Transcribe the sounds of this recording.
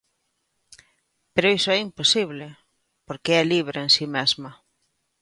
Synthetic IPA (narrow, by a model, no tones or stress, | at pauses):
peɾoisoɛimposiβle | poɾkeɛliβ̞ɾeensimɛzmɐ